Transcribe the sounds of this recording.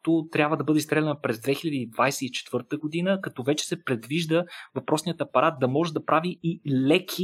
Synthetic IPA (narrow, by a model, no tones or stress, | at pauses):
t̪ot̪ɾʲabvəd̪ɐbɤd̪ɛist̪ɾɛlʲɛnəpɾɛzd̪vɛxilʲɐd̪iːd̪vajsɛit͡ʃɛ̥t̪vɤɾt̪əɡod̪inəkɐt̪ɔvɛt͡ʃɛ̥sɛpɾɛd̪viʒd̪əvɐpɾʔɔsnijət̪ɐpɐɾat̪̚d̪ɐmɔʒɛd̪ɐpɾaviːlɛkʲʰi